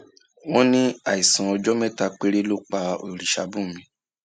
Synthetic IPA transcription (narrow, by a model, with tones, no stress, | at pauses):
wɔ̃˦nĩ˦a˦˨i˨sã˨ɔ˧d͡ʒɔ˦mɛ˦˨ta˧k͡pe˦ɾe˦lo˦k͡pa˧o˨ɾi˨ʃa̰˨˦bũ˦˨mĩ˨˦